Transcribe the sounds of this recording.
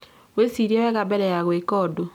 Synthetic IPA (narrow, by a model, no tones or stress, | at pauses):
wesiɾewɛɣabɛɾɛjaɣwekɔdo